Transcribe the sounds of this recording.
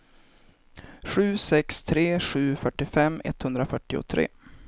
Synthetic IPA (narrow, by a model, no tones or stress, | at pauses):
ɧʉ̟ːsɛkst̪ʰɾeːɧʉ̟ːfœʈːɪfɛmːɛ̰t̪hɵnd̪ɾafœʈːɪʊ̰t̪ʰɾḛː